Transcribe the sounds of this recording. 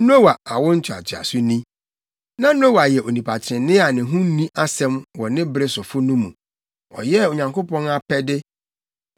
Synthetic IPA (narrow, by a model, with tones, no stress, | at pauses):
n˦o˦wa˨a˨wʊ̃˦n̩˦t͡ɕʰᶣɪ˨a̰˨t͡ɕʰɪ˨a̰˨sʊ˦nĩ˦ | nã˦nʊ̃˦o˦wa˨jɛ˨ʔo˨nĩ˨pʰa˨t͡ɕʰɾɪ̃˨nɪ̃˦a˨nɪ̃˨ɦũ˦n˦nĩ˦ʔa˦sɛ̃˦mwɔ˨nɪ̃˦bɾɪ˦sʊ˨fʊ˦nũ˦mũ˨ | ɔ̰˨jɛ˦o˨ɲã˨ŋko˦pɔ̃˦na˦pʰɛ˦dɪ˦